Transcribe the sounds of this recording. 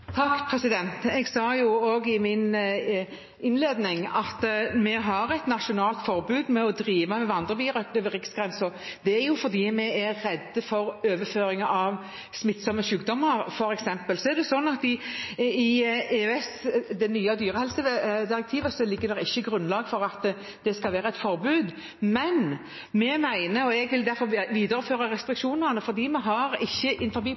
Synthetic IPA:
t̪ʰɑkpʰɾɛsɪd̪ɛnt̪ɛɡsɑːjʊoːɡɪmɪn | ɪnleːd̪nɪŋɑt̪mɛɦɑɾɛt̪nɑʃʊnɑːlt̪fɔʁbʉːd̪mɛɔd̪ɾiːʋəmɛʋɑnd̪ʁəbiːʁœkləʋəʁɪksɡʁɛnsɔʁd̪ɛæɾjʊfɔd̪iːmɛæːɛd̪əfɔɾøːʋəføːɾɪŋɑʔɑʋ | smɪt̪sɔmːəʃʉːkd̪ɔmːəɾfɔɾɛksɛmpəlsɔæʁd̪ɛsɔnːɑt̪ɪɪeːøɛsd̪ɛnyːɑd̪yːʁəhɛlsəd̪ɪɾɛk̚t̪ʰiːʋəsɔlɪɡːəd̪ɛɾɪçːəɡɾʉnlɑːɡfɔɾɑt̪ | d̪̥ɛskɑlʋeːɾɑɛt̪fɔɾbʉːd̪ | mɛn | mɛmæɪnəɔɛɡʋɪld̪æɾfɔɾʋiːd̪əɾəføːʁɑʁɛst̪ɾɪkʃuːnənəfɔɾd̪iːmæɦɑɾɪçːəʔɪnfɔɾbiː

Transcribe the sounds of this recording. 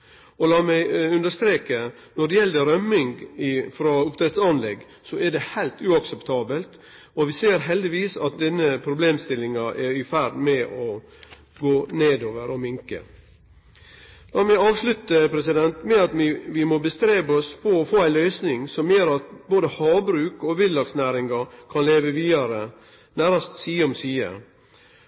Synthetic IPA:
ɔlɑːmæɪʉnd̪əʂt̪ɾeːkə | nɔɖɛjɛld̪əɾœmːɪŋɡɪfɾoʊpt̪ʰɾɛt̪sɑnlɛɡː | sɔæɖɛhæɪlt̪ʉːɑksɛpt̪ʰɑːbəlt̪ | ɔʋɪseːɾɦɛld̪ɪʋiːsɑ̰t̪̚d̪ɛnːəpʰɾʊbleːmst̪ɪlɪŋɑʔɛɾɪfæɾɖmɛʔɔ | ɡoːneːd̪oːʋəɾɔmɪŋkə̰ | lɑːmɛɑːʋslʉt̪əpʰɾɛsɪd̪ɛnt̪mɛɑt̪ʋɪʋɪmɔbəst̪ɾeːbəɔsfʰɔɔfoːæɪlœʏsnɪŋsɔmjøːɾɑt̪̚boːd̪əhɑːbɾʉːkɔʋɪllːɑksnæːɾɪŋɑkʰɑnleːʋəʋiːɑɾə | næːɾɑst̪siːɔmsiːə̰

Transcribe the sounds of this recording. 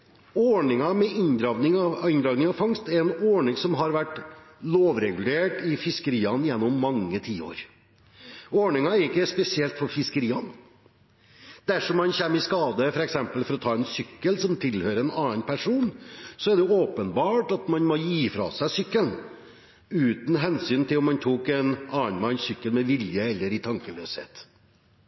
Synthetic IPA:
ɔɳɪŋɑmɛʔɪnd̪ɾɑːʋnɪŋɑɪnd̪ɾɑːʋnɪŋɑʋfɑŋst̪ɛɾɛnɔːɳɪŋsɔmɦɑɾʋæʈ | loːʋɾɛɡʉl̩eːʈɪfɪskəɾiːɑnjɛnːɔmːɑŋːət̪ʰiːo̰ːɾ | ɔːɳɪŋɑɛɾɪkːəspɛsɪɛlt̪fɔɾfɪskəɾiːɑn | d̪̥æʂɔmːɑnçɛmːɪskɑːd̪əfɔɾɛksɛmpəlfɔɾɔt̪ʰɑːɛnsʏkːəlsɔmt̪ʰɪlhøːɾəɛnɑːənpʰæʂuːnsɔæɖɛoːpənbɑːʈɑt̪mɑnmɔjiːfɾɑ̰sæɪsʏkːəln | ʉːt̪n̩ɦɛnsyːnt̪ʰɪlɔmːɑnt̪ʰuːkɛnɑːənmɑnsʏkːəlmɛʋɪljəɛlːəɾɪt̪ʰɑŋkəlø̰ːshḛːt̪

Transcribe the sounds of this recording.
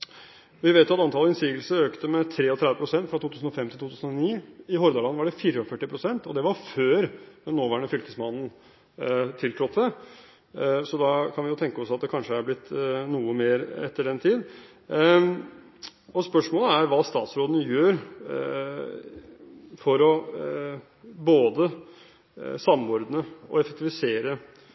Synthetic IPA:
ʋɪʋeːt̪jʊɑt̪ɑnt̪ʰɑləɪnsiːɡəlsəɾøːkt̪əmɛt̪ʰɾeːɔt̪ʰɾɛd̪əpʰɾʊsɛnt̪fɾɑt̪ʰuːt̪ʉːsn̩ɔfɛmt̪ʰɪlt̪ʰuːt̪ʰʉːsən̩ɔniːɪɦɔɾd̪ɑɭɑnːʋɑɖɛfiːɾəɔfœʈːɪpʰɾʊsɛnt̪ɔd̪ɛʋɑɾføːɾd̪ɛnːoːʋæːɳəfʏlt̪əsmɑnn̩ | t̪ʰɪlt̪ʰɾɔt̪ʰːə | sɔd̪ɑkʰɑnʋɪjʊt̪ʰɛŋkəɔsɑt̪̚d̪ɛkʰɑnʂəæɾblɪt̪ːnuːəmeːɾɛt̪ːəɖɛnt̪ʰiːd̪ | ɔspœʂmoːləæɾʋɑːst̪ɑ̰ːt̪sɾoːd̪ənəjøːɾ | fɔɾɔ | boːd̪ə | sɑmɔɾd̪nəɔ̰ɛfək̚t̪ɪʋɪseːɾə

